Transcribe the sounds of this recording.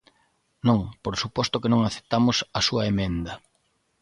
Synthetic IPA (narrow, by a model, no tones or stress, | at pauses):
nõŋpoɾsupɔst̪ʊkenõŋaθe̥t̪amʊsɐsuɐemẽnd̪ɐ